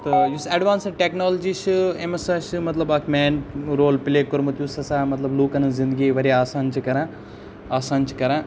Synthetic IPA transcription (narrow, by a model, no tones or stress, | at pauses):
t̪ɨjusɐɖʋaːnsɐʈeknoːld͡ʒiʃɨemɐsaʃɨmɐt̪lɐbɐkʰmeːɳɾoːlpɪleːkːoɾmɐt̪jusɐsaːmɐt̪lɐbluːkɐnɐzĩnd̪əɡiʋɐɾiaːsaːnt͡ʃʰikɐɾãː | aːsaːnt͡ʃʰi̥kɐɾã